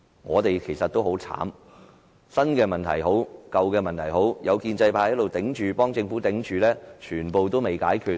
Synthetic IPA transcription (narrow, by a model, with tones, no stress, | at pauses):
ŋɔː˨˧t̪e˨jkʰe˨˩jsɐ˨t̪̚ːo˥who˨˥wt͡sʰa̰ː˨˥m | sɐ˥nkɛː˧mɐ˨nt̪ʰɐ̰˨˩jɦo˨˥wkɐ˨˧wkɛː˧mɐ˨nt̪ʰɐ˨˩jɦo˨˥wjɐ˨˧wkiː˧nt͡sɐ˧jpʰaː˧˥˨jlo˨wt̪ɪ˨˥ŋt͡ʃyː˨pɔː˥ŋt͡sɪ˧ŋfuː˨˥t̪ɪ˨˥ŋt͡ʃʰyː˨˧lɛː˥t͡ʃʰyː˨˩npo˨wt̪o˥wme˨jkaː˨˥jkʰyː˧t̚